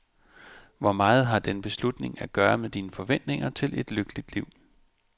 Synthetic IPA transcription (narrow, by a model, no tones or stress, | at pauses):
ʋɒmɑ̈ːð̞̩ˠɦɑ̈d̥enəb̥e̝slud̥ne̝ŋæɡ̥ɶːɐmed̥iːnəfɒ̽ʋen̰d̥ne̝ŋɐt͡sʰe̝le̝d̥løɡ̥əlid̥liʊ̰